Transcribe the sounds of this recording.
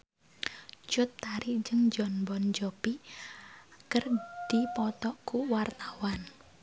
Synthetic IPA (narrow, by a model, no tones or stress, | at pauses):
t͡ʃʊt̪ːaɾid͡ʒəŋd͡ʒɔnbɔnd͡ʒɔpi | kərd̪̥ipɔt̪ɔkuwart̪awan